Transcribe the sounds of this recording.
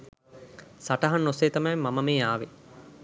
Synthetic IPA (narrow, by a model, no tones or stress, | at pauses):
saʈɐɦɐnːoseːt̪ɐmɐjmɐmɐmeːaːʋe